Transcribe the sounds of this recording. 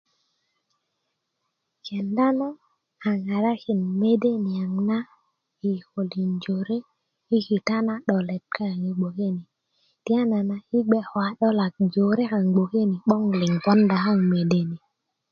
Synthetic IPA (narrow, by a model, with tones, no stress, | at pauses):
kɛ˨nda˦nɔ˦ | a˨ŋa˨ɾa˦ki˨nme˦de˦ni˨a˨ŋna˦ | i˨ko˨li˨nd͡ʒo˨ɾe˦ | i˦ki˨ta˦na˦ɗɔ˨lɛ˨t̚ka˦˨ŋi˨ɡ͡bo˨ke˦ni˨ | ti˦a˦na˨na˨i˦ɡ͡bɛ˦hɔ˨a˦ɗɔ˦la˨k̚d͡ʒo˨ɾe˦ka˨ŋɡ͡bo˨ke˦ni˨ɓɔ˦ŋli˨ŋkɔ˦nda˨ɦa˦˨ŋme˨de˦˨ni˨